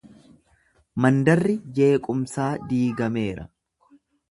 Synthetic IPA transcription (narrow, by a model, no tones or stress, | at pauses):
mɐnd̪ɐrːɪd͡ʒe̞ːkʼʊmsaːd̪iːɡɐme̞ːɾɐ̰